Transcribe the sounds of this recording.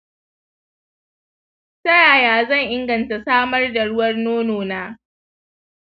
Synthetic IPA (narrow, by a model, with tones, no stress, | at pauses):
sɐ˦jaː˨jaː˦zɐ˦˨ŋʔɪ˦ŋɡɐ˨nta˨saː˦mɐ˦rda˨ɽʊ˦wɐ˦rnoː˦noː˨naː˦